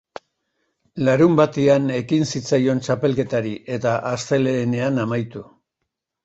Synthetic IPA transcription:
laɾumbat̪iane̞kinsit͡sajo̞nt͡ʃape̞lke̞t̪aɾiʔe̞t̪aʔast̪e̞leːne̞anamajt̪u

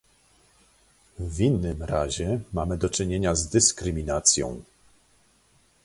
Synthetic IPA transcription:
vʲinːɘmɾa̰ʑɛmamɘd̪ɔt͡ʂɘɲeɲazd̪ɘskɾɘmʲinat̪sʲjɔ̰̃w̃

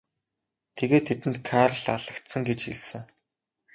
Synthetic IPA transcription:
t̪ʰeɣeːt̪ʰːet̪ɘ̆nt̪kʰarɮaɮə̆kt̪sə̆ŋɡet͡ɕḭɮsɘ̆ŋ

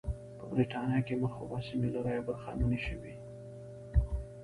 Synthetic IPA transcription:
pəbɾiʈɑnjɑkemaɾxo̰bɑsimelaɾɑjabaɾxɑ̰nuniʃəwi

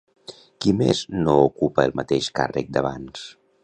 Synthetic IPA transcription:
kimeznoukupəːlˠmət̪eʃka̰rə̰k̚d̪əβ̞ans

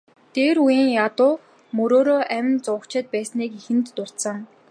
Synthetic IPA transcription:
t̪eːɾujiːŋjat̪ʊː | mɵɾoːɾoːʔæmʲɪ̆nt͡sʊkt͡ɕʰɪ̆t̪̚pæːsniːkixɘ̆nt̪ːʊr̥t̪sə̆ŋ

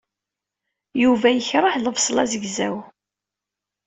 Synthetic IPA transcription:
juvæjəçɾˤəħləvsˤlɑzəɡzæw

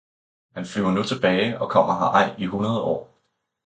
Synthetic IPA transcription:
hænflyʊɐnut͡sʰe̝b̥ɛːɪɒ̽kʰɒ̽m̰ɐɦɑ̈ʔɑ̈ɪ̰iɦunɐð̞ˠəɒ̰ː

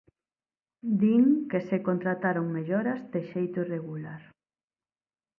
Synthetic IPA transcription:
d̪iŋkesekont̪ɾat̪aɾoŋmeʎɔɾɐzd̪eʃejt̪oireɣulaɾ

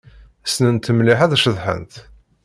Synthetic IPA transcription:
æsnənt̪ːəmliħæðæʃəðˤħə̰nt̪

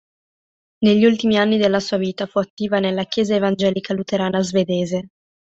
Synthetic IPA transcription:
neʎːiult̪imianːid̪elːasuːaviːt̪afuat̪ːiːvanelːakjɛːzaevand͡ʒɛːlikalut̪eɾaːnazved̪eːze

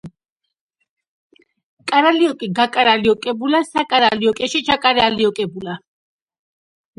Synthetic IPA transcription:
kʼaɾaliɔkʼiɡakʼaɾaliɔkʼɛbulasakʼaɾaliɔkʼɛʃit͡ʃʰakʼaɾɛaliɔkʼɛbula

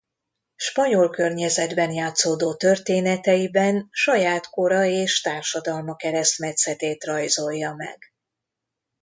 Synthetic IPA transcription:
ʃpɒɲo̞lkø̞rɲɛzɛd̪bɛnjaːt̪soːd̪oːt̪ørt̪eːnɛt̪ɛjibɛnʃɒjaːt̪ko̞ɾɒeːʃt̪aːrʃɒd̪ɒlmɒkɛɾɛst̪mɛt̪sɛt̪eːt̪rɒjzo̞jːɒmɛ̰ɡ̥

